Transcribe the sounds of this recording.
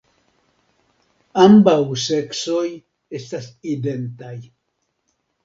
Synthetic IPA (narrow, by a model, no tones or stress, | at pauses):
ambauseksoj | est̪asid̪ent̪aj